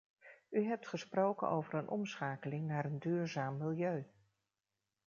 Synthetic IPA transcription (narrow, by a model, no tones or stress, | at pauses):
yɦɛp̚tχəsprowkə̰no̰wvəɾənʔɔ̰msχaːkəlɪŋnaːɾəndyːɹzaːmːɪlˠjøɥ